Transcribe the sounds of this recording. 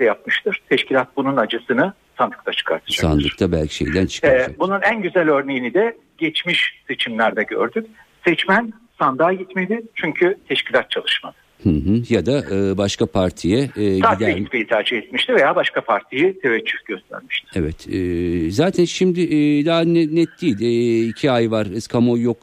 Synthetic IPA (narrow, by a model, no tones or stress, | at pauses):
ɛjap̚mɯʃt̪ʰɯɾ̥t̪ʰɛʃcilʲat̪̚bununad͡ʒɯsɯnɯ | sand̪ɯ̥kt̪ʰat͡ʃʰɯ̥kʰa̰ɾt̪ʰɯ̥d͡ʒsaa̰nd̪ˠɯ̥ɾkt̪ʰabælʲcʰi̥ʃḛjd̪ænt͡ʃʰɯ̥kabununænɟyzælʲø̞ɾne̞jinid̪ɛ | ɟɛt͡ʃmiʃse̞t͡ʃʰimlʲæɾd̪ɛɟø̰ɾd̪yc̚ | sɛt͡ʃmæn | sand̪aːɟit̪med̪ɪt͡ʃʰyɲcʰyt̪ʰɛʃcilʲat̪̚t͡ʃʰalˠɯʃma̰d̪ɯ̥ | hɯɦɯjad̪aʔɯbaʃkapʰaɾt̪ʰijɛːad̪ɛit̪pejit̪ʰæɾd͡ʒihɛt̪miʃt̪ive̞jaːbaʃkʰapʰaɾt̪ʰijit̪ʰe̞vɛt͡ʃʰːyfɟ̥øst̪ʰæ̰ɾmiʃt̪ʰɪ̥evɛt̪ɛːzaːt̪ʰænʃimd̪ɪʔd̪aanɛnɛt̪d̪̥ijːld̪icʰiajvaɾɯskʰamo̞jo̞k